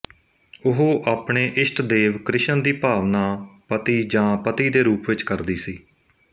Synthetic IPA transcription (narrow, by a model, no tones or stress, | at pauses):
ʊɦoːʔaːpɳeːʔɪsʈd̪eːʋkɾɪʃənd̪iːpaːʋnaːpət̪iːd͡ʒãːpət̪iːd̪eːɾuːpʋɪt͡ʃkəɾd̪iːsiː